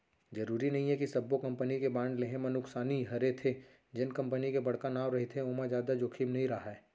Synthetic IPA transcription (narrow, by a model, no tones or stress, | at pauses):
zɐɾuːɾinɐɦĩɦɛkisɐbːokɐ̃mpənikebãːɳɖleɦẽmɐnʊksaːniɦɐɾet̪ʰe | d͡ʒɪnkɐ̃mpənikebɐɽ̤kanaːwɾɐɦet̪ʰeomãzjaːd̪ad͡ʒoːkʰimnɐɦĩɾɐɦaɛː